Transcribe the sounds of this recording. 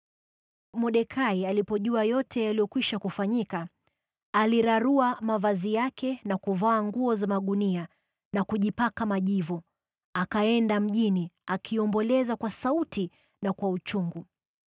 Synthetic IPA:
mɔɗɛkʰaialipɔʄuajɔtʰɛjalijɔkwiʃakufaɲikaː | liɾaɾuamavazijakɛnakuvaːŋɡuɔzamaɠunia | nakuʄipakamaʄivɔ | akaɛndam̩ʄiniakʰiɔmbɔlɛzakwasauti | nakwaut͡ʃuŋɡu

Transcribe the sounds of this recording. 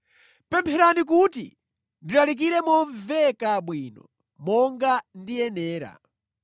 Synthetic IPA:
pɛmpʰɛɾanik̬utḭ | ndiɾalik̬iɾɛmɔɱvɛkaɓwinɔ̰ | mɔŋɡandiɛnɛːɾa̰

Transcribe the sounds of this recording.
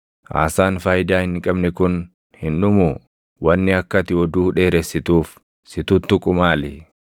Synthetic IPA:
ʔa̰ːsaːnfaːjɪd̪aːhɪnːɪkʼɐbnɪkʊn | hɪnᶑʊmʊ | wɐnːɪɐkːɐt̪ɪɔd̪uːᶑe̞ːɾɛsːɪt̪uːf | sɪt̪ʊt̪ːʊkʼʊmaːlɪ

